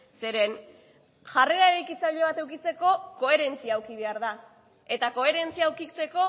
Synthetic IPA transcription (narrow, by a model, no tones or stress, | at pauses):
se̞ɾe̞n | ʝare̞ɾaeɾajkit͡saʎe̞β̞at̪e̞wkit͡se̞ko̞ko̞e̞ɾe̞nt͡siaːwkiβ̞e̞aɾða | e̞t̪ako̞e̞ɾe̞nt͡siaːwkit͡se̞ko̞